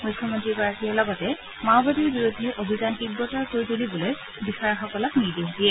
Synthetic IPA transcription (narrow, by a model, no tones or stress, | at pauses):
mujkʰːjɔmontɹikɔɹakiɛlɔɡɔtɛ | maʊbadiɹbiɹudʱːɛʔobʱizankiɡːɔtɔɹkoɹitulibuloj | bixajɔxɔkɔlɔkniɹdexdiɛ